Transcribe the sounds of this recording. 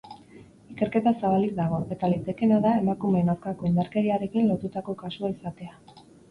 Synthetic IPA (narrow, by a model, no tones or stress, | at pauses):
ike̞ɾke̞t̪asaβalik̚d̪aɣ̞o̞ʔe̞t̪alit͡seke̞naðae̞makume̞nawɾkako̞ind̪aɾke̞ɾiaɾe̞kinlo̞t̪ut̪ako̞kasuaisat̪e̞a